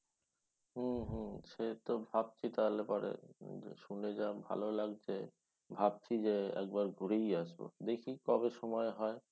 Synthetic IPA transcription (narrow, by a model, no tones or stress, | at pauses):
ɦũɦũʃet̪obʱab̚t͡ɕʰit̪alepɔɾḛʃuned͡ʑabʱa̰lolaɡt͡ɕʰe | bʱab̚t͡ɕʰid͡ʑeɛ̰k̚baɾɡʱuɾejaʃbo̰d̪ekʰikɔbeʃɔmɔeɦɔe